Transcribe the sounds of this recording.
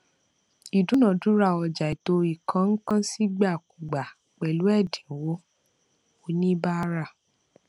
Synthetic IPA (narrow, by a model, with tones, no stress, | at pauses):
i˨du˨˦nã˨du˨˦ɾa˦˨ɔ˧˨d͡ʒa˨i˨to˧i˨kʰã˧˦ŋ̩˦kã˦si˦ɡ͡ba˦˨ku˨ɡ͡ba˨ | k͡pɛ˨lu˨˦ɛ˦˨dĩ˨wo˨˦ | o˨˦nĩ˦ba˦ɾa˦˨